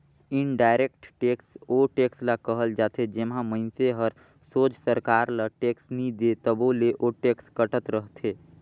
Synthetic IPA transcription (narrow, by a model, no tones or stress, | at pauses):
ɪnɖaːɪɾeːk̚ʈʈeːksoʈeːkslakəɦəld͡ʒaːt̪ʰed͡ʒemɦãmə̃ɪnseɦəɾ | soːd͡ʒsəɾkaːɾlaʈeːksnid̪et̪əboleʔoʈeːkskəʈət̪ɾəɦt̪ʰeː